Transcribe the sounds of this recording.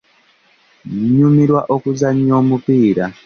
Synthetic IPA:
ɲumiɾwaʔo̞kuzaɲoːmupiːɾa

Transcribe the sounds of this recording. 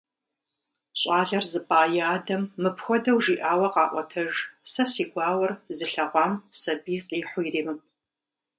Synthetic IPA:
ɕʼɑːɮɐrzɨpʼaːjaːdɐmːɨpʰxʷɔdɐwʒiːʔaːwɐqɑːʔʷɔtʰɐʒsɐsiːɡʷɑːwɐrzɨɬɐʁʷɑːmsɐbiːqʼiːħʷʊjriːmɨp̚ʼ

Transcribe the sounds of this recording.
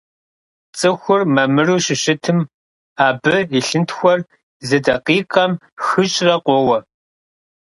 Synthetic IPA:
t͡sʼɨxʷʊrmɐmɨruːʃɪɕɪtʰɨm | aːbɨiɬɨntxʷɔr | zɨdɐqiːqʼɐm | xɨt͡ʃʼrɐqʷʼɔwɐ

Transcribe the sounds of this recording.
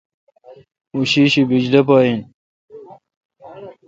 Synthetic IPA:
uɕiɕibid͡ʑd̪ɐpaːin

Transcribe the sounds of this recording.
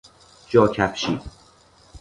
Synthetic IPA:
d͡ʒɒːcʰæfʃiːd̪

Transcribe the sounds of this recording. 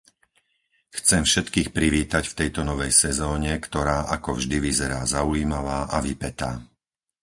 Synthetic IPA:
xt͡sɛmfʃɛt̪kiːxpɾiʋiːt̪acft̪ɛjt̪ɔnɔʋɛjsɛzɔːɲɛkt̪ɔɾaːʔakɔvʒd̪iʋizɛɾaːzauiːmaʋaːʔaʋipɛt̪aː

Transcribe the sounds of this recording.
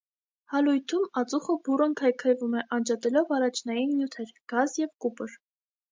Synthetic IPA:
hɑlujt̪ʰumɑt͡suχəburəŋkʰɑjkʰɑjvumɛʔɑnd͡ʒɑt̪ɛlɔvɑrɑt͡ʃʰnɑjinːjut̪ʰɛɾɡ̥ɑzjɛvkupəɾ

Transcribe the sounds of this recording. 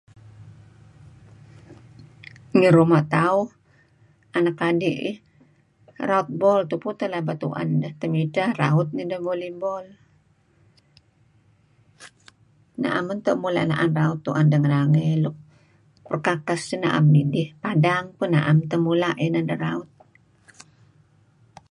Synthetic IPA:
ŋəɾumaʔt̪aʊh | anakadiʔih | raut̪̚bɔlt̪uput̪əlabat̪ṵʔa̰ndəht̪əmitahra̰ʊt̪̚nidəhbolibɔl | na̰ʔamənt̪əʔmula̰ʔna̰ʔanraut̪ːuʔandəŋəɾaŋelʊk̚ | pərkakasəna̰ʔa̰mːidihpadaŋpəna̰ʔamt̪əmulaʔinadəraʊt̪̚

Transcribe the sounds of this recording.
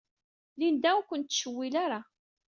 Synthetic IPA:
lind̪æwkʷːənt̪ːʃəwːilaɾa

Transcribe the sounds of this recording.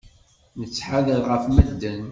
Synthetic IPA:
nət͡sːħaðəlʁəfməd̪ːən

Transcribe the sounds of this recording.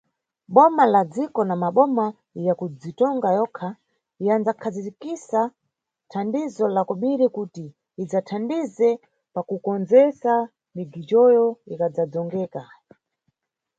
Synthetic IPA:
ɓɔmalad͡zikɔnamaɓɔma | jakud͡zitɔŋɡajɔkʰa | iand͡zakʰazitikisa | tʰandizɔlakɔɓiɾikutiː | d͡zatʰandizɛ | pakukɔnd͡zɛsa | miɡit͡ʃɔjɔikad͡zad͡zɔŋɡɛːka

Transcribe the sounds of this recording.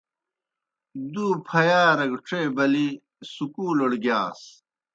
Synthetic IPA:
d̪uːpʰɐjaːɾɐɡʈ͡ʂeːbɐli | sukuːloɽɡjaːs

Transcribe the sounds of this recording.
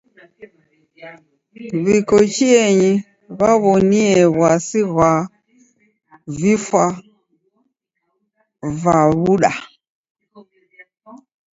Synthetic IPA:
βikɔt͡ʃiɛɲi | βaβɔniɛβwasiɣwa | vifwa | vaβuɗa̰

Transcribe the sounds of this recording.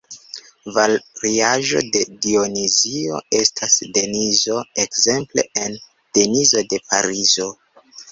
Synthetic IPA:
valɾiaʒo̞̰de̞ɡionizio̞̰e̞stʰasde̞nizo̞ekze̞mple̞̰en | d̥e̞nizo̞de̞paɾizo̞

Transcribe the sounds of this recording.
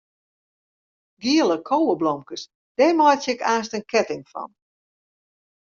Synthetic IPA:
ɡiələkʰowəblɔmkəs | d̥ɛːmɔjtjɪkaːstənkʰɛtɪŋfɔ̰n

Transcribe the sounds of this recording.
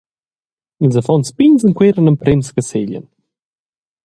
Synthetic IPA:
inzəfɔnspinzənkweɾənəmpɾemskəselə̰n

